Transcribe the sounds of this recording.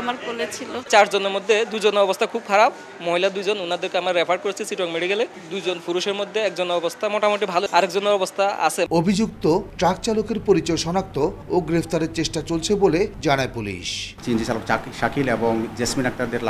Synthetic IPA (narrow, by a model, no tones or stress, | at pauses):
amaɾbolet͡ɕʰilot͡ɕaɾd͡ʑoneɾmod̪ʱːed̪ud͡ʑonoɔbost̪ʰakʰub̚kʰaɾab | moɦilad̪ujd͡ʑonunad̪eɾkeamɾaɾepʰaɾɖ̚koɾet͡ɕʰisiʈɔkmeɽiɡele | d̪ujd͡ʑonfuɾuʃeɾmod̪ʱːeɛk̚d͡ʑonɔbost̪ʰamoʈamoʈibʱaloaɾɛkd͡ʑonoɔbost̪ʰaa̰t͡ɕʰeobʱid͡ʑuk̚t̪oʈɾak̚t͡ɕalokeɾpoɾit͡ɕɔeʃɔnak̚t̪ooɡɾefʰt̪aɾeɾt͡ɕeʃʈat͡ɕolt͡ɕʰeboled͡ʑanaepulḭʃt͡ɕind͡ʑit͡ɕalokʃakʰileboŋd͡ʑesminak̚t̪aɾd̪eɾla